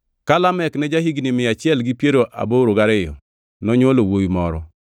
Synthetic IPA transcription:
kalamɛknɛd͡ʒaɦiɡnɪmɪat͡ʃɪɛlɡipjeɾoʔa̰boɾoɡaɾɛjɔ̰ | nɔɲolowojimɔɾɔ

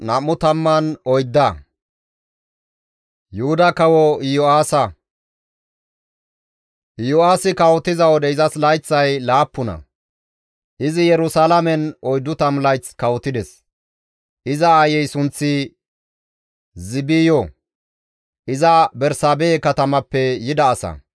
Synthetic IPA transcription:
nɐmːʊt̪ɐmːɐnɔjd̪ːɐ | jʊhʊd̪ɐkɐwɔɪjɔaːsɐ | ʔɪjɔaːsɪkɐwɔt̪ɪzɐwɔd̪ɛɪzɐslɐjt͡sːɐjlaːpːʊnɐ̰ | ʔɪzɪjɛɾʊsalɐmɛnɔjd̪ʊt̪ɐmlɐjt͡skɐwɔt̪ɪd̪ɛs | ʔɪzɐajɛjsʊnt͡sːɪ | zɪbijɔ | ʔɪzɐbɛɾsaːbeːkɐt̪ɐmɐpːɛjɪd̪ɐːsɐ̰

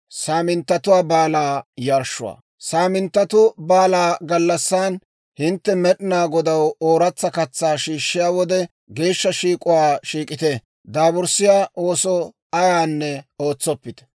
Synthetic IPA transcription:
saːmɪnt̪ːɐt̪ʊwaːbaːlaːjɐɾʃːʊwa̰ː | saːmɪnt̪ːɐt̪ʊbaːlaːɡɐlːɐsːaːn | hɪnt̪ːɛmɛɗɪnaːɡɔd̪ɐwoːɾɐt͡sːɐkɐt͡sːaːʃiːʃːɪjaːwɔd̪ɛ | ɡeːʃːɐʃiːkʼʊwaːʃiːkʼɪt̪ɛ | d̪aːbʊɾsɪjaːʔo̞ːsɔ | ɐjaːnːɛo̞ːt͡sːɔpːɪt̪ɛ̥

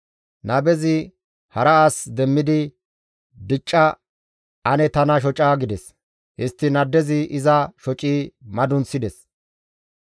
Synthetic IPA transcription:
nɐbɛzɪ | hɐɾɐaːsd̪ɛmːɪd̪ɪ | d̪ɪt͡ʃʼːɐ | ʔɐnɛt̪ɐnɐʃ̬ɔt͡ʃʼaːɡɪd̪ɛs | hɪst̪ːɪnɐd̪ːɛzɪʔɪzɐʃɔt͡ʃʼiːmɐd̪ʊnsɪd̪ɛs

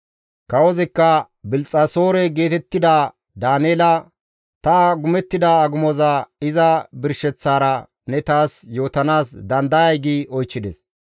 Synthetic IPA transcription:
kɐwɔzɛkːɐ | bɪlt͡sʼːɐso̞ːɾɛɡe̞ːt̪ɛt̪ːɪd̪ɐ | d̪aːneːlɐ | t̪ɐɡʊmɛt̪ːɪd̪ɐːɡʊmɔzɐɪzɐbɪɾʃɛt͡sːaːɾɐ | nɛt̪aːsjo̞ːt̪ɐnaːsd̪ɐnd̪ɐjɐjɡiɔjt͡ʃːɪd̪ɛ̰s

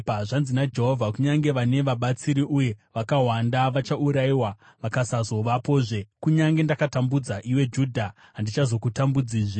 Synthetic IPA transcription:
aʐanzinad͡ʒe̞ɦo̞vʱakuɲaŋɡe̞ʋane̞ʋaɓat͡siɾiʔuje̞ʋakaɦwandaʋat͡ʃauɾaiwa | ʋakasazo̞ʋapo̞ːʐe̞kuɲaŋɡe̞ndakatambud͡zaʔiwe̞d͡ʒuːdʱa | ɦandit͡ʃazo̞kutambud͡ziːʐe

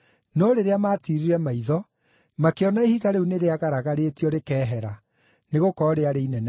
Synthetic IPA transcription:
nɔɾeɾeamaːtiɾiɾɛmaiðɔ | makeɔnaehiɣaɾeuneɾeaɣaɾaɣaɾeːtiɔɾekɛːɦɛɾa | neɣokɔɾeaɾeinɛn

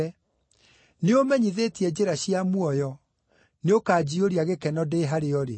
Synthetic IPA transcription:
neomɛɲiðetiɛd͡ʑeɾaɕiamwɔjɔ | neokaːd͡ʑioɾiaɣekɛnɔdeːɦaɾeɔɾḛ

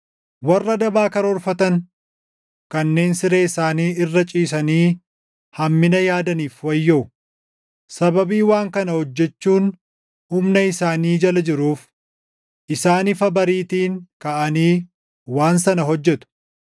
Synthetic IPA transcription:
wɐrːɐd̪ɐbaːkɐɾɔɾfɐt̪ɐn | kɐnːe̞ːnsɪɾe̞ːɪsaːniːɪrːɐt͡ʃʼiːs̬ɐniː | hɐmːɪnɐjaːd̪ɐniːfwɐjːoʊ | sɐbɐbiːwaːŋkɐnɐhɔd͡ʒːɛt͡ʃːuːn | hʊmnɐɪsaːniːd͡ʒɐlɐd͡ʒɪɾuːf | ʔɪsaːnɪfɐbɐɾiːt̪iːŋkɐʔɐniː | waːnsɐnɐɦɔd͡ʒːɛt̪ʊ̥

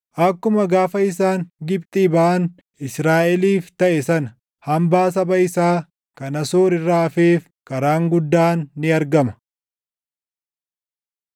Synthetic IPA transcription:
ʔɐkːʊmɐɡaːfɐɪs̬aːŋɡɪbt̪ʼiːbɐʔɐn | ɪsɾaːʔɛliːft̪ɐʔɛsɐnɐ | hɐmbaːs̬ɐbɐɪsaː | kɐnɐsoːɾɪrːaːɐfeːf | kɐɾaːŋɡʊd̪ːaːnːɪɐɾɡɐmɐ̥

